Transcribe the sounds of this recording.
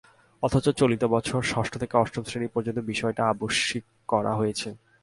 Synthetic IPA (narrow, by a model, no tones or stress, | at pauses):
ɔt̪ʰat͡ɕot͡ɕolit̪obɔt͡ɕʰoɾʃɔʃʈʰot̪ʰekeɔʃʈobsɾenipoɾd͡ʑont̪obiʃɔeʈaaboʃik | kːɔɾa̰ɦojet͡ɕʰe